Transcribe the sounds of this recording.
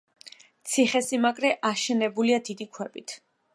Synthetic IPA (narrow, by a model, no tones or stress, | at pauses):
t̪sʰiχɛsimakʼɾɛʔaʃɛnɛbuliad̪id̪ikʰwɛbit̪ʰ